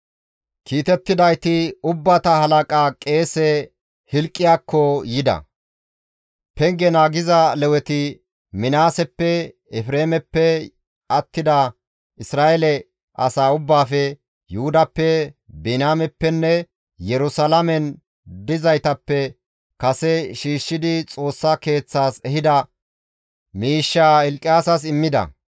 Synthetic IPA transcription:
kiːt̪ɛt̪ːɪd̪ɐjt̪ɪʊbːat̪ɐhɐlɐkʼaːkʼe̞ːsɛ | hɪlkʼːɪjaːkːɔjɪd̪ɐ̰ | pɛŋɡɛnaːɡɪzɐlɛwɛt̪ɪ | mɪnaːsɛpːɛ | ɛfɾeːmɛpːɛ | ɐt̪ːɪd̪ɐ | ɪsɾaːʔɛlɛ | ʔɐsaːʊbːaːfɛ | jʊhʊd̪ɐpːɛbɪnaːmɛpːɛnːɛ | jɛɾʊsɐlɐmɛn | d̪ɪzɐjt̪ɐpːɛ | kɐsɛʃiːʃːɪd̪ɪt͡sʼo̞ːsːɐke̞ːt͡sːaːsɛhɪd̪ɐ | miːʃːaːɛlkʼːɪjaːsɐsɪmːɪd̪ɐ̰

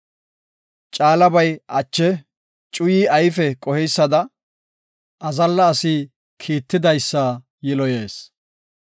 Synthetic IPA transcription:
t͡ʃʼaːlɐbɐjʔɐt͡ʃːɛ | t͡ʃʼʊjiːʔɐjfɛkʼɔhɛjsːɐd̪ɐ | ʔɐzɐlːɐːsiː | kʰiːt̪ːɪd̪ɐjsːɐ | jɪlɔjeːs

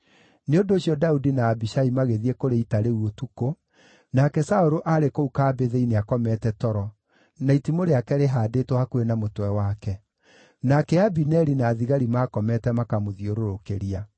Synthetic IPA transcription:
neondoːɕjɔdaudinaːbiʃaimaɣeðiɛkoɾeitaɾewotuko | nakɛsaoɾoʔaɾekoukaːbeðeineakɔmɛtɛtɔɾɔ | naitimoɾeakɛɾeɦaːdetohakuenamotwɛwakɛ | nakɛabinɛɾinaːðiɣaɾimakɔmɛtɛmakamoðioɾoɾokeɾia

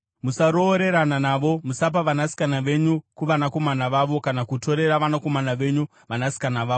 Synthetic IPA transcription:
musaɾo̞ːɾe̞ɾananaʋo̞musap̬aʋanasi̥kanaʋe̞ɲukuʋanako̞manaʋaʋo̞kanakuto̞ɾe̞ɾaʋanako̞manaʋe̞ɲu | ʋanasi̥kanaʋaːʋo

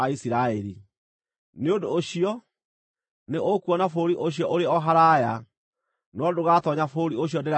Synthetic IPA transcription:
aisiɾaɛɾi | neodoːɕiɔ | neʔokuɔnafoɾiʔoɕ̬jɔʔoɾeɔɦaɾaja | nwɔdoɣatɔɲafoɾioɕ̬iɔndeɾa

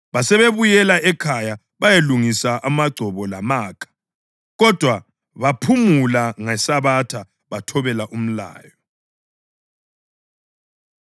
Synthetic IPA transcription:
βasɛβeβujɛlaʔɛkʰaja | βajeluŋisaʔamaɡ͡ǀʱɔβɔlamaːkʰḁ | ɣɔd̥ʱwa | βapʰumulaŋɛsaβatʰa | βatʰɔβɛlaʔum̩la̰ːjɔ

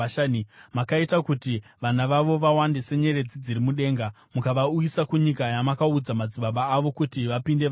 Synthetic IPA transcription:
nmakaitakutiʋanaʋaʋo̞ʋawandise̞ɲe̞ɾe̞d͡zid͡ziɾimuɗe̞ːŋɡa | mukaʋaujisakuɲikajamakaud͡zamad͡ziɓaɓaːʋo̞kutiʋapinde

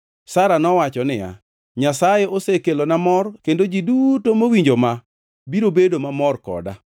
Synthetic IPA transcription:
saɾanɔwat͡ʃɔnɪja̰ | ɲasajeʔosekelonamɔrkendod͡ʒidutomowiɲd͡ʒoma | biɾobedomamɔrkɔ̰da̰

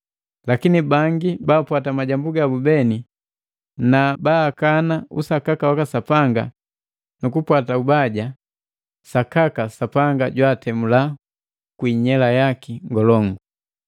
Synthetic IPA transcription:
lakinibaŋɡibaːpwatamaɟambuɡabubɛni | nabaːkanaṵsakakawakasapaŋɡa̰ | nukupwataubaɟa | sakakasapaŋɡaɟwaːtɛmula | kwiɲɛlajakiŋɡɔlɔŋɡu

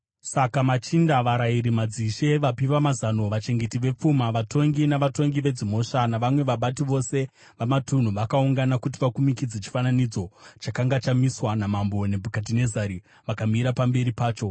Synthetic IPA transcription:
sakamat͡ʃindaʋaɾaiɾimad͡ziʃe̞ʋapiʋamazano̞ʋat͡ʃe̞ŋɡe̞tiʋe̞p͡fumaʋato̞ŋɡinaʋato̞ŋɡiʋe̞d͡zimo̞ʃanaʋamwe̞ʋaɓatiʋo̞se̞ | ʋamatun̤uʋakauŋɡanakut̬iʋakumikid͡zet͡ʃi̥fananid͡zo̞t͡ʃakaŋɡat͡ʃamiswanamambo̞ne̞bʱukat̬ine̞zaɾi | ʋakamiɾapambe̞ɾipaːt͡ʃo̞

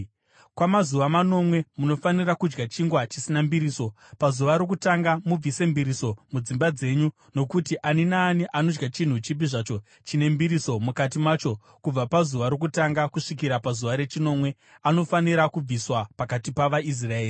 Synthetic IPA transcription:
kwamazuʋamano̞mwe̞muno̞fanirakud͡ʒɡat͡ʃiŋɡwat͡ʃisinambiɾiːso̞ | pazuʋaɾok̬utaŋɡamub͡vise̞mbiɾiso̞mud͡zimbad͡ze̞ɲu | no̞kutiʔaninaːniʔano̞d͡ʒɡat͡ʃin̤ut͡ʃipiʐat͡ʃo̞ | t͡ʃine̞mbiɾiso̞mukat̬imaːt͡ʃo̞ | kub͡vapazuʋaɾo̞k̬utaŋɡakuʂikiɾapazuʋaɾe̞t͡ʃino̞mwe̞ | ano̞faniɾakub͡viswapakatipaʋais̬rae̞ːri

